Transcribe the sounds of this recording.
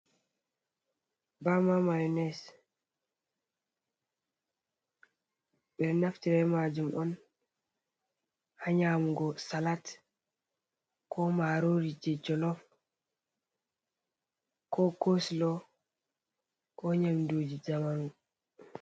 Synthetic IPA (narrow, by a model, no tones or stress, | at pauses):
bamamajɔnɛs | ɓɛɾnaftiɾɛmad͡ʒumʔɔn | haɲamuɡɔsalat | kɔmaɾoɾid͡ʒɛd͡ʒɔlɔf | kɔkoslɔ | kɔɲamdoːd͡ʒid͡ʒamanu